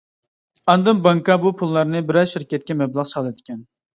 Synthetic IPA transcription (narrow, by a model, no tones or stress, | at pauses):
ɑnd̪ɨmbɑŋkɑbupʰulˠːɑɾnɨbɪɾɛzʃiɾkʲɛt̪̚kʲɛmɛblˠɑqsɑlˠɨd̪ɪkʲʰɛn